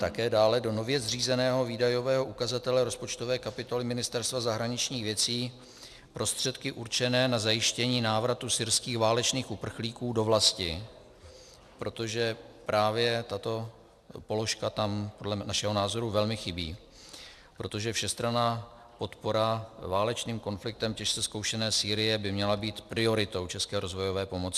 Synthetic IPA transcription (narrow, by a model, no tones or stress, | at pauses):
t̪akɛːdaːlɛdo̞no̞vjɛzriːzɛnɛːɦo̞viːdajo̞vɛːɦo̞ʔukazat̪ɛlɛɾo̞spo̞t͡ʃt̪o̞vɛːkapɪt̪o̞lɪmɪnɪst̪ɛɾst̪vazaɦɾaɲɪt͡ʃɲiːxvjɛt͡siː | pɾʔo̞st̪r̝̥ɛt̪kɪʔuɾt͡ʃɛnɛːnazajɪʃcɛɲiːnaːvɾat̪usɪɾskiːxvaːlɛt͡ʃniːxʔupr̩xliːkuːdo̞vlascɪ | pɾo̞t̪o̞ʒɛpɾaːvjɛt̪at̪o̞ | po̞lo̞ʃkat̪ampodlɛnaʃɛɦo̞naːzo̞ɾuvɛlmɪxɪbḭː | pɾo̞t̪o̞ʒɛfʃɛst̪ɾanaː | po̞t̪po̞ɾavaːlɛt͡ʃniːmko̞nflɪk̚t̪ɛmcɛʃt͡sɛskowʃɛnɛːsiːɾɪjɛbɪmɲɛlabiːt̪pɾɪo̞ɾɪt̪o̞wt͡ʃɛskɛːɾo̞zvo̞jovɛːpo̞mot͡sɪ